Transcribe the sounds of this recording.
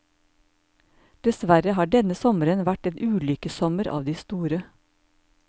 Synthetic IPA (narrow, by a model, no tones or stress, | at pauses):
d̪̥ɛsʋæɾəhɑːɖɛnəsɔməɾənʋæʈeːnʔʉːlʏkəsɔməɾʔɑ̰ːʋd̪iːst̪uːɾə